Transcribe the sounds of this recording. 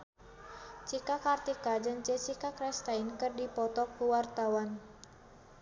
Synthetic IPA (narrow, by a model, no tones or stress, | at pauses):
t͡ʃikakart̪ikad͡ʒɨŋt͡ʃɛt͡ʃikakɾɛst̪ainkɨrdipɔt̪ɔkːuwart̪awan